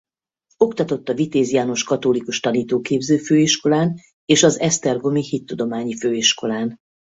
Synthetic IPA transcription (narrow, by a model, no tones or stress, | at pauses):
o̞kt̪ɒt̪o̞t̪ːɒvit̪eːzijaːno̞ʃkɒt̪olikuʃt̪ɒniːt̪oːkeːbzøːføːiʃko̞laːn | eːʃɒzɛst̪ɛrɡo̞mihit̪ːud̪o̞maːɲiføːiʃko̞laːn